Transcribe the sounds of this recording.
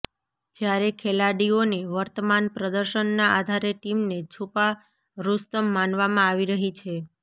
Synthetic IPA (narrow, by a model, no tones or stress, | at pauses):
d͡ʒjaɾekʰelaɽioneʋəɾt̪əmanpɾəd̪əɾʃənːaʔad̪ʱaɾeʈimnet͡ʃʰupa | ɾust̪əmːanʋamãaʋiɾəɦit͡ʃʰe